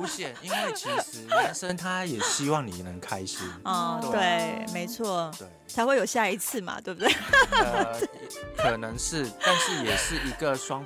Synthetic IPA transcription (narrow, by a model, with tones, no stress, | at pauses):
u˧˥ɕjɛ˥˩ni˦˥nnwe˥˩ɪt͡ɕʰi˧ʂɻ̩˨˧˦ə˨˦nsə˥nt̪ʰa˦jɛ˨˩ɕi˥wɑ˥˩ŋni˨˩nə˧˦ŋkʰa˦ɪɕi˨˩˦ɔ˥˩t̪we˥˩ɪme˧˥ɪt͡sʰwɔ˥˩we˥˩t͡sʰa˧˥ɪxwe˥˩jo˨˩ʊɕja˥˩i˧˥t͡sʰɹ̩˥˩mɐ̰˨˩t̪we˥˩bu˨˩we˥˩ | te˥˩kʰɤ˨˩nɤ˧˥ŋʂɻ̩˥˩t̪a˥˧nʂɻ̩˥˩jɛ˨˩ʂɻ̩˥˩i˧˥ɡə˨ʂwɑ˦˥ŋ